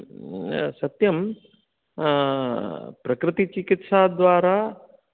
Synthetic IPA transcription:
sɐt̪jɐm | pɾɐkɾɪt̪it͡ʃikit̪ʃaːd̪ʋaːɾaː

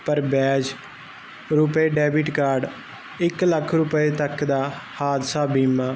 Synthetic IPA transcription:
pəɾbɛːd͡ʒ | ɾʊpeːɖɛːbiʈkaːɾɖ | ɪkləkʰɾʊpeːt̪əkd̪aːhaːd̪saːbiːmaː

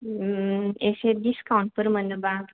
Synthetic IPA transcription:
esed̪iskawɳʈ̚pəɾmə̃nd̪əba

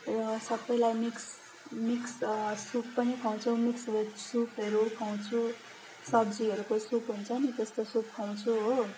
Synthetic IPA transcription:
sʌbːʌjlajmiks | mikssupːʌnikʰaw̃t͡sʰomiksbesupʰɦeɾukʰaw̃t͡sʰu | sʌb̚d͡ziʌɾukosupɦunt͡sʰʌnit̪est̪osup̚kʰaw̃t͡sʰuɦo

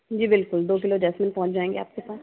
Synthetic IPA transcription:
d͡ʒiːbɪlkʊld̪oːk̬ɪlod͡ʒɛːsmɪnpɔ̃ɦʊ̃t͡ʃd͡ʒaːẽːŋɡea̰ːp̚kepaːt

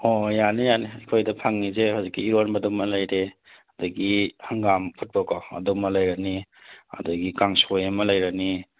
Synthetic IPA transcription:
ojanijaniɐkʰojdɐpʰaŋnizehawzikːiːɾonbɐdumɐlɐjɾe | hɐduɡihaŋɡampʰut̚bɔkɔɐ̰dumɐlajɾani | ɐ̰duɡikaŋsojɐmɐlɐjɾani

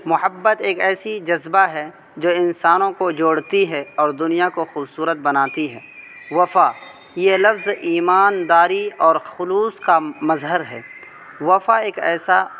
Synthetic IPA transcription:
mʊhəbːət̪eːkɛːsid͡ʒɐzbaɦɛ | d͡ʒoːɪnsaːnõkod͡ʒoːɽt̪iɦɛɔːɾd̪ʊnijakoxuːbsuːɾət̪̚bɐnaːt̪iɦɛː | ʋɐfa | jelɐfziːmaːnd̪aːɾiɔːɾxʊluːskamɐzɦəɾɦɛː | ʋɐfaeːkɛ̰ːsa

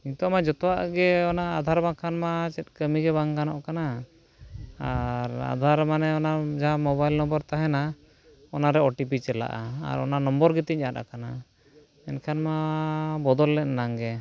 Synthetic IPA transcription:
iɲt̪ɔmad͡ʒɔt̪ɔwaʔɡɛɔnaːd̪ʱaɾbaŋkʰanmat͡ʃɛt̪̚kəmiɡɛbaŋɡanɔʔkana | aɾa̰d̪ʱaɾmanɛɔnad͡ʒaamɔβajlnɔmbɔɾt̪aɦɛna | ɔnaɾɛɔʈipit͡ʃɛla̰ʔaa̰ɾɔ̰nanɔmbɔɾɡɛt̪iɲ̚ˀata̰kana | ɛnkʰanmabɔd̪ɔlːɛt̚naŋɡɛ

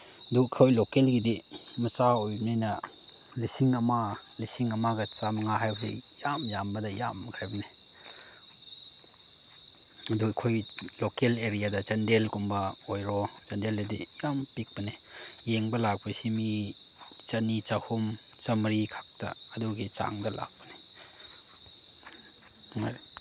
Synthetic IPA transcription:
ɐdukʰojlokelɡidi | mɐt͡ʃaojninɐ | lisiŋɐma | lisiŋɐmaɡɐt͡ʃamɐŋaɦajbɐsḭjamjambɐdɐja̰mkʰajbɐni | ɐdukʰojlokeleɾijadɐt͡ʃɐndelkumbɐojɾɔt͡ʃɐndeledijampik̚bɐni | jeŋbɐlak̚pasimi | t͡ʃɐnit͡ʃahumt͡ʃɐmɾikʰḁk̚ta̰ɐduɡit͡ʃa̰ŋɡɐla̰k̚bɐni | ŋa

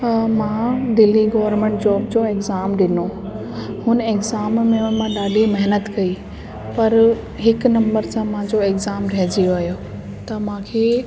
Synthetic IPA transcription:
mãd̪ɪlːiɡɔːʋəɾmẽːɳʈ̚d͡ʑɔːb̚d͡ʑoekzaːmɗɪno | hʊnekzaːmːẽʊnmãɗaːɗimɐɦnət̪kɐi | pɐɾ | ɦɪknɐ̃mbəɾsãmãɲd͡ʑoeːkzaːmɾɐɦd͡ʑijoaːɦjo | t̪ɐmãːkʰeː

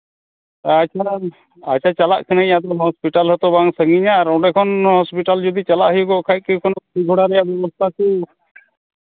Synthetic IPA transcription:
at͡ʃʰa | at͡ʃʰat͡ʃala̰ʔkʰɛnaĩad̪ɔɦɔspiʈalɦɔt̪ɔbaŋsəŋɡiɲaːɾɔ̃ɖɛkʰɔnhɔspiʈald͡ʒɔd̪it͡ʃalaʔɦəjuɡɔkʰaj̚kikʰɔnɔiɡʱɔɽaɾɛjaʔbjɛbɔst̪ʰaku

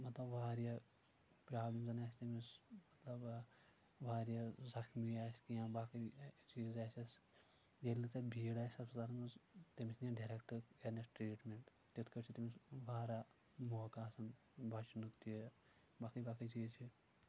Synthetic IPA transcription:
mɐt̪lɐbʋaːɾija | pɾaːblimzɐnaːsʲt̪emismɐt̪lɐb | ʋaːɾijazɐkʰmiaːsʲkijãːbaːkit͡ʃiːzaːsʲɐs | jelːɨt̪ebʱiːɽaːsʲɐbsɐt̪aːɾɐnt̪emisnʲeɖeɾekʈɐkenɐsʈɾeːʈmeɳʈ | t̪it̪ʰkɐt͡ʃʰit̪emisʋaːɾa | moːkaːsɐn | bʱɐt͡ʃnukt̪i | baːkibaːkit͡ʃiːzt͡ʃʰi

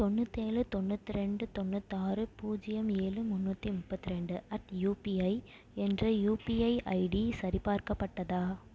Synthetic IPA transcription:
t̪ɔnːɯt̪ːeːlɯt̪ɔnːɯt̪ːɪɾɛɳɖɯt̪ɔnːɯt̪ːaːɾɯpuːd͡ʒɪjɐmeːlɯmʊnːɐt̪ːimʊpːɐt̪ːɪɾɛɳɖɯɐʈjuːpiɐɪ | ɛndrɐjuːpiɐɪʔɐɪɽisɐɾɪpaːɾkɐpːɐʈːɐðaː

